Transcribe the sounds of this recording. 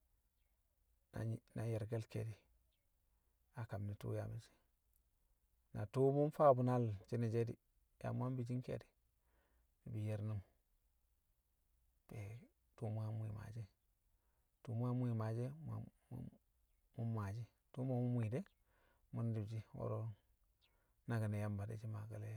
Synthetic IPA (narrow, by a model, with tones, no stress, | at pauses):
na˨na˨je˨ɾɡe˦lkḛ˨di˨ | a˨ka˨mni˨tṵ˦ja̰˨mi˨˦si̥˦ | na˨tu˦mu˦nfa˦bu˨na˦lt͡ʃi˦ne˨d͡ʒe˦dḭ˨ | ja̰˨mu˦a˦mbi˨d͡ʒi˦ŋkḛ˦di̥˨ | ni˨bi˨je˨ɾnu˦m | pe˨ | to˦mu˦a˦m˦i˨ma̰˨d͡ʒe˦ | tu˨mu˦a˦mu˦i˨ma˨d͡ʒe˦ma̰˨˦ | mu˦mːa˨d͡ʒi˦ | to˦mo˦˨mu˦mʷ˦i˨de˦ | mu˦n˦di˨bd͡ʒi˦wo̰˦ɾo˦ | na˨ɡi˨ne˨ja˦mba˨dḛ˨d͡ʒi˦ma˨ɡa˨le˦ja˦